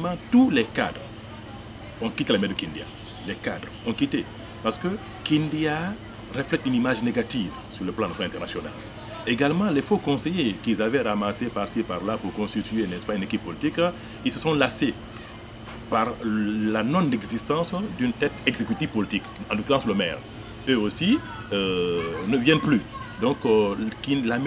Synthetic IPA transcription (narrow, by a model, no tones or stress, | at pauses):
mɑ̃t̪ulɛka̰d̪ʁ | ɔ̃kit̪elamɛd̪əkĩnd̪ja̰ | lɛkad̪ʁɔ̃kit̪e | paʁsə̥kə | kĩnd̪ja | ʁəflɛtynimaʒneɡat̪iv | syʁləplɑ̃dnasɔnalɛ̃nt̪ɛʁnasjɔna̰l | eɡalmɑ̃lefokɔ̃sejekilzavɛʁamasepasepaʁlapuʁkɔ̃st̪it̪ɥenɛspaynekipːɔlit̪ik | ilsəsɔ̃lase | paʁlanɔ̃nɛɡzist̪ɑ̃sd̪ynt̪ɛt̪ɛɡzekyt̪iv̥pɔlit̪ikɑ̃lokyʁɑ̃sləmɛ̰ʁ | øosi | ønəvjɛnplyd̪ɔ̃kkinlam